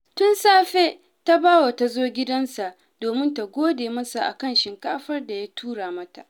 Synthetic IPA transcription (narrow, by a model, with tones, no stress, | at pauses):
tʊ˦nsaː˦ɸe˦ | ta˦baː˦wa˨ta˨zoː˦ɡʲɪ˦dɐ˦nsa˨ʔ | doː˨mɪ˦nta˨ɡʷoː˦deː˨mɐ˦sa˨ʔa̰˨kɐ˦˨nʃɪ˨ŋkaː˦ɸɐ˦rda˨ja˦tʰuː˦ɽaː˨mɐ˦ta˨ʔ